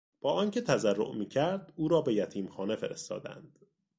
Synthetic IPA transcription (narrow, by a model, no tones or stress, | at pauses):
b̥ɒːʔɒːncʰe̞t̪ʰæzærːo̰ʔmiːcʰæɾd̪uːɾɒːbe̞jæt̪ʰiːmxɒːne̞feɾe̞st̪ɒ̰ːd̪æ̰nd̪̥